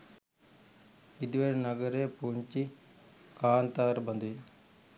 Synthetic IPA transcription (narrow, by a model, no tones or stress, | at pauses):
id̪ʋeɾnɐɡɐɾeːpuɲt͡ʃi | kaːnt̪aːɾbɐnd̪i